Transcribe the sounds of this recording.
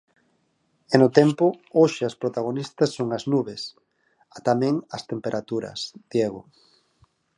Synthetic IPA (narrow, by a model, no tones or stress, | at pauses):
ɛnʊt̪ɛmpʊoʃɪaspɾot̪aɣ̞onist̪ɐsːoŋɐznuβes | at̪amɛ̃ŋɐst̪empeɾʔat̪uɾɐ̰sd̪̥jeɣʊ̰